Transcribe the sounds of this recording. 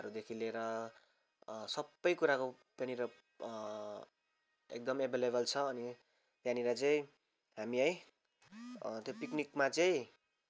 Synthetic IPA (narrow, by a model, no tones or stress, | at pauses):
ʌɾud̪ekʰileɾʌ | sʌbːʌjkuɾako | p̪janiɾʌ | ḛk̚d̪ʌmebʱelebʌlt͡sʰʌːni | pjaniɾʌt͡sʌĩ | ɦamiʌj | t̪jopiknikmat͡sʌĩ